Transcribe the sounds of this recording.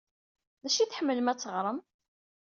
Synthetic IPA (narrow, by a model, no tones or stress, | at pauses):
ðæʃiθħəmːələmæt͡sːəʁɾˤəm